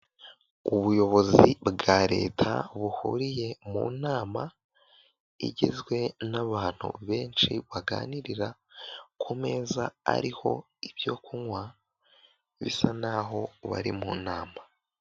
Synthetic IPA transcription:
uβujo̞βo̞zibɡaːɾe̞̰ːtʰa̰βuhuɾije̞mṵːnaːma | ḭɟḛzɡwe̞naβaːn̥hṵβe̞ːnt͡ʃiβaɡa̰ːniɾiɾakʰome̞ːzaa̰ɾiho̞̰ | ibjo̞kʰuŋwa | βḭsanaɦo̞βa̰ɾimuːnaːma

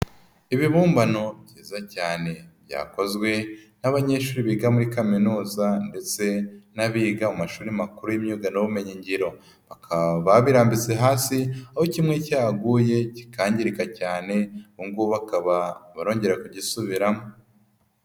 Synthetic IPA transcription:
iβiβuːmbano̞bɟiːzacaːne̞bja̰ːko̞zɡwe̞naβaɲe̞ːʃuːɾiβiɡamuɾikaminuːzande̞t͡se̞naβiːɡaumaʃuːɾimakuɾujimɲuɡanoβume̞ɲiɲɟiɾo̞ | βakʰaβaβiɾaːmbit͡se̞ɦaːsiahocimŋe̞caːɡuje̞ci̥kaːɲɟiɾikacaːne̞uŋɡuβakaβaβaɾo̞ːɲɟe̞ɾakuɟisuβiɾamo

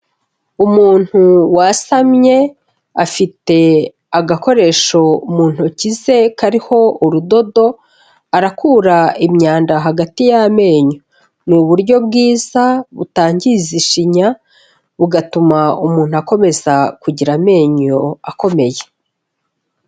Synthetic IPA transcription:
umuːn̥huwasamɲe̞ | afite̞ | aɡako̞ɾe̞ːʃo̞muːn̥hucize̞kaɾiho̞uɾudo̞do̞ | aɾakʰuːɾaimɲaːndaɦaɡatijame̞ːɲo̞ | nuβuɾɟo̞bɡiːzaβutaːɲɟiziʃiɲa | βuɡatumaumuːn̥huako̞me̞zakuɟiɾame̞ːɲo̞ako̞me̞je

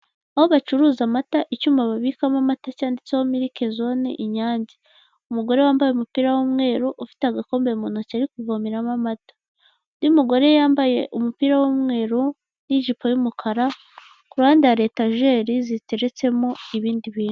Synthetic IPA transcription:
aho̞βat͡ʃuɾuːzamataʔicuːmaβaβikamamatacaːndit͡sehomiɾike̞zo̞nḛʔiɲaːɲɟi | umuɡo̞ɾe̞waːmbajeumupiːɾawomŋe̞ːɾuʔufi̥teaɡako̞ːmbemuːnocaɾikuvomiɾamamatḁ | nimuɡo̞ɾe̞jaːmbaje̞ʔumupiːɾawomŋe̞ːɾu | niʒipʰo̞jumukʰaɾa | kuɾaːndaɾe̞ːtaʒe̞ːɾizite̞ɾe̞t͡se̞mo̞iβiːndiβiːnu

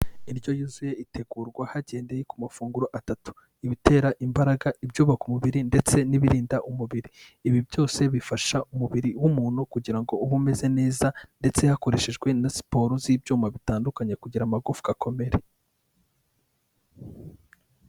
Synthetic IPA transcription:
iɾɟo̞juzuje̞itʰe̞ɡuːɾɡwahaɟe̞ːnde̞jekumafuːŋɡuɾoʔatatu̥ | iβite̞ːɾaʔimbaɾaɡaʔibɟuːβakumuβiɾinde̞t͡se̞niβiɾiːndaʔumuβiɾiː | βibjo̞ːse̞βifaʃaumuβiɾiwumuːn̥hukuɟiɾaŋɡo̞uβume̞ze̞ne̞ːzande̞t͡se̞hako̞ɾe̞ʃeʒɡwe̞nasi̥po̞ːɾuziːbɟuːmaβitaːndukaɲekuɟiɾamaɡufɡakʰo̞me̞ɾe

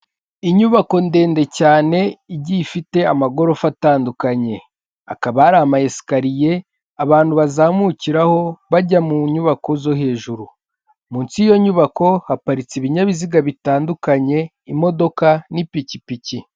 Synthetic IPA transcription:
iɲuβako̞nde̞ːnde̞caːne̞iɟifite̞amaɡo̞ɾofataːndukaɲe̞ | a̰kaβaːɾamajesi̥kaɾije̞ | aβaːn̥huβazaːmuciɾaho̞βaɟamuɲuβako̞zo̞he̞ːʒuɾu | muːnt͡sijo̞ɲuβako̞hapaɾit͡siβiɲaβiziɡaβitaːndukaɲe̞ | imo̞do̞kanipicipici

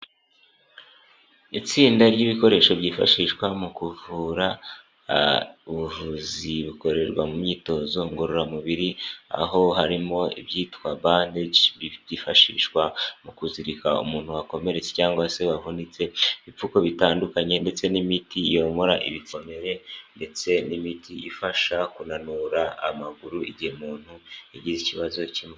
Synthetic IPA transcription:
it͡siːndaɾɟiβiko̞ɾe̞ʃo̞βɟiːfa̰ʃiʃkwamukuvuɾa | uβuvuziβuko̞ɾe̞ɾɡwamumɲiːto̞zo̞ŋɡoɾoɾamuβiɾia̰ɦo̞ɦaɾimo̞ḭβjiːtwaβaːndeβiβifaʃḭʃkwamukuziɾikaṵmuːn̥huwako̞me̞ɾe̞t͡secaːŋɡwase̞βavunit͡se̞iβip͡fuko̞βitaːndukaɲe̞nde̞t͡se̞nimitijo̞moɾaʔiβiko̞me̞ɾe̞nde̞t͡se̞nimitʰiifaʃakunanuɾaa̰maɡuɾuiɟihemuːn̥hueɟiziciβazo̞cime

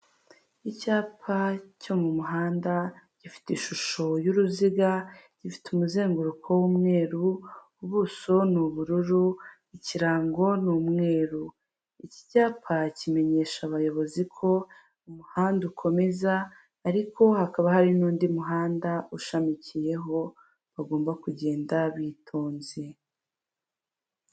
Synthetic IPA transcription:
icaːpʰaco̞mumuɦaːndaɟ̥ifi̥tiʃuʃo̞juɾuziɡaɟ̥ifi̥tumuze̞ːŋɡuɾukʰo̞wuːmŋe̞ːɾuː | βuso̞nuβuɾuɾu | iciɾaːŋɡo̞nuːmŋe̞ːɾu | ici̥caːpʰacime̞ɲe̞ːʃaβajo̞βo̞zikʰo̞ | umuhaːndukʰo̞me̞zaː | ɾiko̞hakaβahaɾinuːndimuɦaːndauʃamicije̞ɦo̞ | βaɡo̞ːmbakuɟe̞ːndaβitʰo̞ːnze

